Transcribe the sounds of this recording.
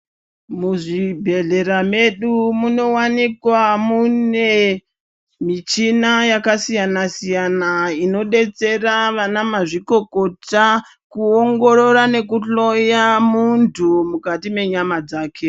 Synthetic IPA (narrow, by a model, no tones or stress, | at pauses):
muʐibʱe̞ɮe̞ɾame̞ɗumuno̞wanikwamune̞ | mit͡ʃinajakasijanasijanaino̞ɗe̞t͡se̞raʋanamaʐiko̞ko̞ta | kuoŋɡo̞ɾo̞ɾane̞kuɬo̞jamuntʰumukatime̞ɲamad͡zaːkʰe̞